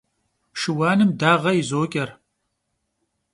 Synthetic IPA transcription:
ʂɨwaːnɨmdaːʁɐizoːkʲʼɐr

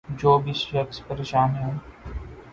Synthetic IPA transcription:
d͡ʒoːbɪsʃɐkspəɾeːʃaːnɦɛ̃ː

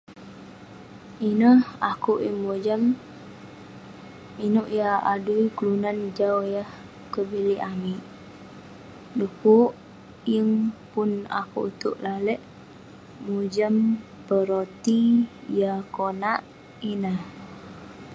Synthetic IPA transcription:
ʔinəhakuʔəŋmud͡ʒəm | inuʔjaaduiklunand͡ʒawjəh | kəbiliʔamiʔ | dukuʔ | jəŋpuna̰kuʔut̪uʔlaləʔ | mud͡ʒəm | pəɾot̪ijakonaʔ | inəh

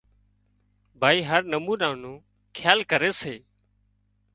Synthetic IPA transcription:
bʱaːiːɦəɾnəmuːnaːnõː | kʰjaːlkəɾeːseː

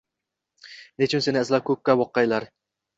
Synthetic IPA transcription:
net͡ʃʰɪnse̞nɪɪzlap̚kʰɵk̚ʲːawɒqːɑjlaɾ

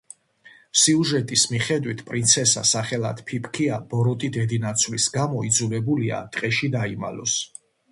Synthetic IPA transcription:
siuʒɛt̪ʼismiχɛd̪wit̪ʰpʼɾint̪sʰɛsa̰saχɛlˠa̰d̪̥pʰipʰkʰiab̥ɔɾɔt̪ʼid̪ɛd̪inat̪sʰwvlisɡamɔid̪zulɛbulia̰t̪ʼqʼɛʃid̪aima̰lɔs

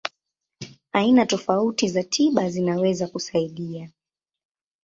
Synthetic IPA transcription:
ainatɔfautizatʰiɓazinawɛzakusaiɗia

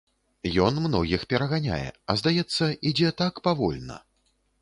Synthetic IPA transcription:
jɔnmnɔɣʲixpʲɛɾɐɣanʲa̰jɛ̰ɐzd̪ajɛt̪sːɐid͡zʲɛt̪akpavɔlʲnɐ̰

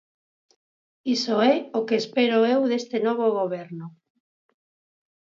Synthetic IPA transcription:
isoɛokeːspeɾoewðest̪enɔβ̞oɣoβ̞eɾnʊ

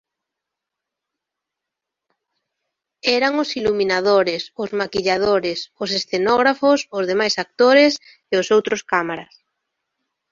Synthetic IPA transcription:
ɛɾaŋʊsiluminað̞oɾesʊzmakiʎað̞oɾesʊsesθenɔɣ̞ɾafosʊzðemajsak̚t̪oɾes | eʊsowt̪ɾʊskamaɾas

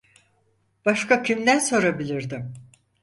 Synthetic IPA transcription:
b̥aʃkacʰimd̪ænso̞ɾabilʲiɾd̪ɪm

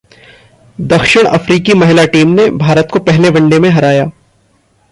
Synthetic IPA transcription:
d̪ɐkʃəɽ̃ɐ̰fɾiːkimɐɦɪlaʈiːmnebʱaːɾət̪kopɛɦlebɐ̃ɳɖemẽɦɐɾaːjaː

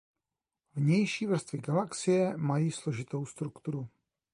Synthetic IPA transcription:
vɲɛjʃiːvr̩st̪vɪɡalaksɪjɛmajiːslo̞ʒɪt̪o̞wst̪ɾukt̪uɾu

